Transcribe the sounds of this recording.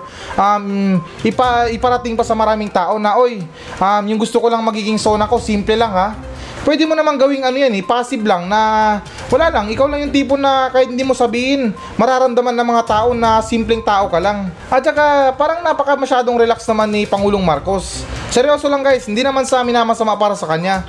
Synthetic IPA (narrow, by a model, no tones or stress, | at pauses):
ʔɐm | ʔɪpaʔɪpɐɾɐt̪ɪŋpɐsɐmɐɾaːmɪŋt̪aːʔo̞nɐʔo̞j | ʔɐmjʊŋɡʊst̪okolɐŋmɐɡiːɡɪŋso̞ːnɐko̞siːmplɛlaŋha | pwɛːd̪ɪmonɐmaŋɡɐwɪŋɐnojanɛpaːsɪblaŋnɐ | wɐlaːlɐŋʔɪkawlɐŋjʊŋt̪iːp̬onɐkaːjɪt̪̚ɪnd̪imo̞sɐbiːhɪn | mɐɾaːɾɐmd̪ɐmanːɐŋmɐŋat̪aːʔo̞nɐsimplɛŋt̪aːʔo̞kɐlaŋ | ʔɐt͡ʃɐkapaːɾɐŋnɐpɐkɐmɐʃaːd̪oŋɾɛlaksnɐmanːɪpɐŋuːloŋmaɾko̞sːɛɾjo̞ːso̞laŋɡajshɪnd̪inɐmansɐmɪnaːmɐsɐmaʔpaːɾɐsɐkɐɲa